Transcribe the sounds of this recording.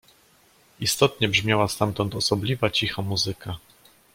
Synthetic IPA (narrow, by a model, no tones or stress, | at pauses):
ist̪ɔt̪ɲɛbʐmʲjawast̪amt̪ɔnt̪ɔsɔblʲivat͡ɕixamuzɘkʰa